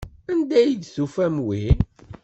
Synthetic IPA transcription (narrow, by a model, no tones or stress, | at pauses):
ænd̪æjid̪θufæmwi